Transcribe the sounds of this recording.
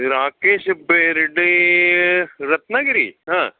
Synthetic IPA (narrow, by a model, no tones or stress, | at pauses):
ɾaːkeːʃbeɾɪɖe | ɾɐt̪naɡɐɾḭɦãː